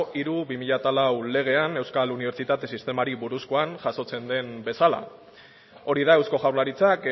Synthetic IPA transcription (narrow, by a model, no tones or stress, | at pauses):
ʔiɾuβimiʎat̪alawle̞ɣ̞e̞ane̞wskaluniβ̞e̞ɾt͡sit̪at̪e̞sist̪e̞maɾiβuɾuskoanʝaso̞t͡se̞nd̪e̞mbe̞sala̰ | o̞ɾiðae̞wsko̞ʝawɾlaɾit͡sak